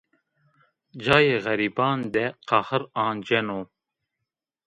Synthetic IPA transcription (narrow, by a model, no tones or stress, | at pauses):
d͡ʑɑːjeɣɐɾiːbɑːnd̪eqɑhəɾɑːnd͡ʑenoː